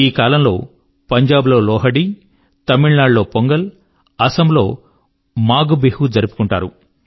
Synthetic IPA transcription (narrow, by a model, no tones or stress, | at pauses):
iːkaːlɐmlo̞̰ː | pɐɲd͡ʒaːblo̞ːlɔːɦɐɽi | t̪ɐmiɭnaːɖlo̞ːpoŋɡɐl | ɐsɐmlo̞ː | maːɡubehud͡ʒɐɾipu̥kuɳʈa̰ːɾu